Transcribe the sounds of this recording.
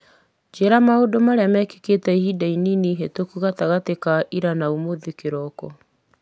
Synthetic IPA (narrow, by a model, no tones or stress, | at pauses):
d͡ʒeɾamaodomaɾeamɛke̥ketɛihidaininiɦetokuɣataɣatekaʔiɾanaumoðekeɾɔkɔ